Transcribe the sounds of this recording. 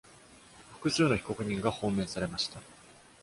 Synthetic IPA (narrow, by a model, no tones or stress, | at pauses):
fɯ̥kɯ̟sɨːno̞çi̥ko̞kɯ̟ɲ̟ĩŋɡahõ̞ːmẽ̞ɰsaɾe̞maɕi̥t̪a